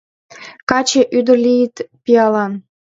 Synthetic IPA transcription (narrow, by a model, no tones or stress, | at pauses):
kɑt͡ɕeʔyd̪ə̆rlʲijit̪pijɑlɑn